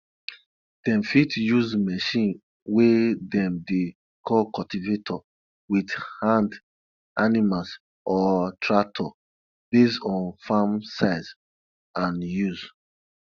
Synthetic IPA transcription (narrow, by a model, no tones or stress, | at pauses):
d̥ɛ̃mfitjuzmɛʃĩn | wedɛ̃mde | kʰɔlkɔltivetʰɔ | widhãnd | animals | ʔɔtʰɹatʰɔ | besɔ̃nfamsaɪz | ãnjuz